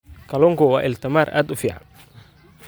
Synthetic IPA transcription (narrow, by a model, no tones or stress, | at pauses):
kʰɐlɔŋkɔwɑːʔɪlt̪ʰɪmaːrʔa̰ːd̪ʊfiːʕɑ̰n